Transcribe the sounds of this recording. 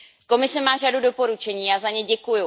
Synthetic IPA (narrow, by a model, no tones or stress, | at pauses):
ko̞mɪsɛmaːr̝adudo̞po̞ɾut͡ʃɛɲiːazaɲɛɟɛkujʊ